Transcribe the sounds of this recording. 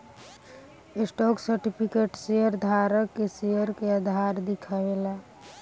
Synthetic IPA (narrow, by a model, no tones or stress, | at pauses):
esʈɔksəɾʈipʰikeʈsejəɾd̪ʱaɾəkːesejəɾkeəd̪ʱaɾd̪ikʰaʋela